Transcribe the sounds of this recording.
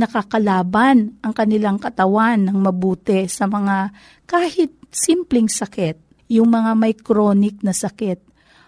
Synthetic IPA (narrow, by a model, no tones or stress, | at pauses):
nɐkakɐlaːbanʔɐŋkɐnɪlaŋkɐt̪ɐwanːɐŋmɐbuːt̪ɛsɐmɐŋa | kaːhɪt̪̚simplɛŋsɐkɛt̪̚ | jʊŋmɐŋamɐjkɾoːnɪk̚nɐsɐkɛt̪̚